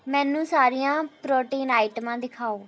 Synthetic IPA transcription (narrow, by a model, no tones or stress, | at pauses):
mɛ̃ːnːũːsaːɾijãːpɾoːʈiːnaːɪʈəmãːd̪ɪkʰaːoː